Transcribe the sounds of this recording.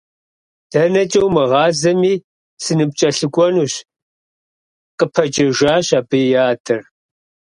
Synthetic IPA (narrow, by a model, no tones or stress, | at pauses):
d̥ɐnɐt͡ʃʼɐwmɨʁɑːzɐmiː | sɨnɨp̚t͡ʃʼɐɬɨkʷʼɔnuːɕ | qʼəpʰɐd͡ʒʼɐʒaːɕaːbɨjaːdʰɨr